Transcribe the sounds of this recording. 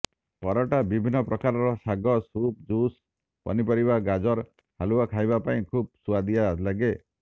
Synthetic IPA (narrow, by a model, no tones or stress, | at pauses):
pɔɾɔʈabibʱinːɔpɾɔkaɾɔɾɔsaɡɔsup̚d͡ʒus | pɔ̰nipɔɾibaɡad͡ʒɔɾ | haluakʰajbapaĩkʰub̚suad̪ijalaɡe